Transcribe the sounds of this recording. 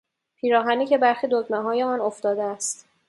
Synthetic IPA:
pʰiːɾɒːɦæniːcʰe̞bæɾxid̪od̪meɦɒːjeɒːnoft̪ɒːd̪eæst̪

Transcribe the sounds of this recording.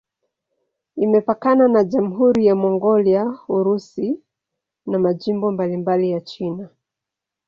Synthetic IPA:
imɛpakananaʄam̩ɦuɾijamɔŋɡɔliauɾusi | namaʄimbɔmbalimbalijat͡ʃina

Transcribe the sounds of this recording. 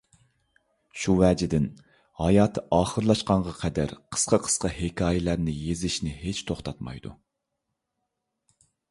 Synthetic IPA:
ʃuwɛːd͡ʒɪd̪ɪn | hɑjɑːt̪ʰːɨʔɑːχəɾlˠɑʃqɑɴʁɑqʰɛd̪æ̰ɾqʰə̥sqʰɑqʰə̥sqɑhekʲʰɑːjɪlæɾnɪjezɪʃnɪɦet͡ʃt̪ʰoχt̪ʰɑt̪mɑ̰jd̪ṵ

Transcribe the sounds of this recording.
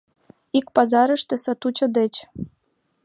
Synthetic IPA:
ikpɑzɑɾə̆ʃt̪ĕsɑt̪ut͡ɕɤ̆d̪ĕt͡ɕ

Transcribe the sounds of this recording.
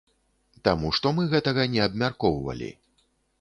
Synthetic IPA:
t̪amuʂt̪ɔmɨɣɛt̪ɐɣɐnʲɛɐbmʲarkɔwvɐ̰lʲḭ

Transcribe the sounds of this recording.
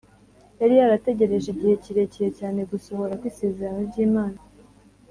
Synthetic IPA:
jaɾijaɾate̞ɟe̞ɾe̞ʒiɟihe̞ciɾe̞cejecaːne̞ɡuso̞βo̞ɾakwiːse̞ːze̞ɾanoɾɟiːmaːna

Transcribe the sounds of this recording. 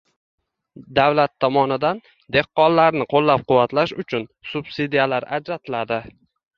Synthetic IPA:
d̪awlat̪ʰːɒmɒnɪd̪an | d̪e̞qːɒnlaɾnɪqʰolːap̚qʊwːat̪laʃʊt͡ʃʰʊnsʊb̥sid̪ijalaɾad͡ʒɾat̪ʰɪlad̪ɪ

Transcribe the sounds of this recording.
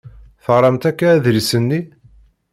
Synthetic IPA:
fəʁˤːɑmt̪ækːaːðɾisənːi

